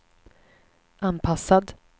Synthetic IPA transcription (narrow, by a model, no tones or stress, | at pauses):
ʔanpʰasːad̪